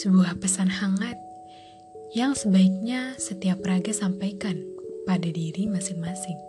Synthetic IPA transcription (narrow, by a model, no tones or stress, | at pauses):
səbuahpəsanhaŋat̪̚ | jaŋsəbaik̚ɲasət̪iapːɾaɡasampajkanpadadiɾimasɪŋmasɪŋ